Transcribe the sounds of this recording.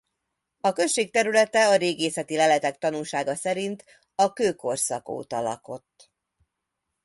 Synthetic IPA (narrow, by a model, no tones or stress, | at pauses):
ɒkø̞nʃeːk̚t̪ɛɾylɛt̪ɛɒɾeːɡeːsɛt̪ilɛlɛt̪ɛkt̪ɒnulʃaːɡɒsɛɾint̪ | ɒkøːko̞rsɒko̰ːt̪ɒ̰lɒ̰ko̞t̪ː